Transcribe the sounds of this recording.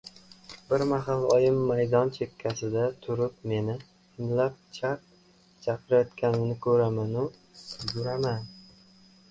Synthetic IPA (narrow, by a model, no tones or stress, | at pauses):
bɪɾmaɦalˠɒjɪmːajd̪ɒnt͡ʃʰe̞kʲʰːasɪd̪at̪ʰʊɾɪpme̞nɪ | ɪmlap̚t͡ʃʰap̚ | t͡ʃʰapʰɪɾajɒt̪kʲʰanɪnɪkʰɵɾamanʊɡʊɾaman